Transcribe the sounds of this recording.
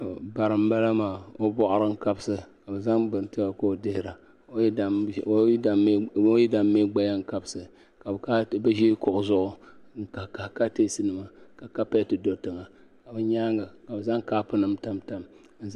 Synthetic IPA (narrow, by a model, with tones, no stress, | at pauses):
ba˨ɾɨ˨m̩˦ba˦la˦maː˨o˦bɔ˦ʔʊ˦ɾɨ˦ŋ̩˦ka˦bsɨ˦ka˨bɨ˨za˦ŋbɨ˨n˨tɨ˦ba˨ko˦˨dɪ˦hɪ˦ɾa˨˦˨ | a˨˦o˦ji˦da˨mːe˦ɡ͡ba˦ja˦ŋ̩˦ka˦bsɨ˨ | ka˨ka˦ba˦ʒi˦kʊ˨ʔʊ˨zʊ˦ʔʊ˦ka˨ka˨ka˦teː˦sɨ˦nɨ˨ma˨ka˨ka˦pa˦˨tɨ˨do˨tɨ˨ŋa˨ | ka˨bɨ˦ɲaː˦ŋɡa˨ka˨bɨ˨za˦ŋkaː˦pɨ˦nɨ˦mta˦mta˦m˦ | n̩˦